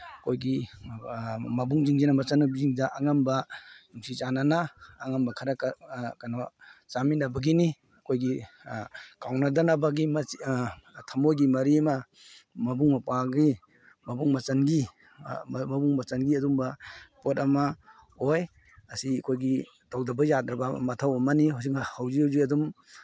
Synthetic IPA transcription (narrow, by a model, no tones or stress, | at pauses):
kʰojɡi | mɐbuŋd͡ʒiŋd͡ʒinamɐt͡ʃanːabiziŋdaʔaŋambaumsit͡ʃananaːŋambakʰaɾakakanat͡ʃaminabɐɡini | ɐkʰojɡi | kawnadanabaɡim | tʰɐmojɡimɐɾiɐma | mɐbuŋmɐpaɡi | mɐbuŋmɐt͡ʃɐnɡi | mɐbuŋmɐt͡ʃɐnɡiɐdumbɐpotɐma | oj | ɐsikʰojɡi | tawdɐbɐjatɾabɐmɐtʰawɔmaniɦows̬ikahawziawziɐdum